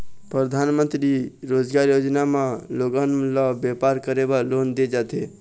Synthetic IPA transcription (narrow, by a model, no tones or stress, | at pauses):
pɾəd̪ʱanmə̃nt̪ɾiɾod͡ʒɡaɾjod͡ʒnameloɡənlabjepaɾkəɾebalond̪ed͡ʒat̪e